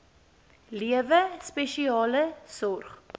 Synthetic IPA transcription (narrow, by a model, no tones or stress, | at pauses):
liəvəspɛʃiɑːləsɔrχ